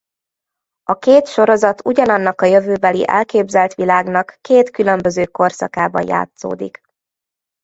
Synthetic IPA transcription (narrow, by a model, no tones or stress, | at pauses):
ɒkeːt̪ʃo̞ɾo̞zɒt̪uɟɒnɒnːɒkɒjøvøːbɛlḭʔɛ̰lkeːbzɛlt̪ʋilaːɡnɒkːeːt̪kylø̞mbø̞zøːko̞rsɒkaːbɒ̰nja̰ːt̪so̰ːd̪ḭk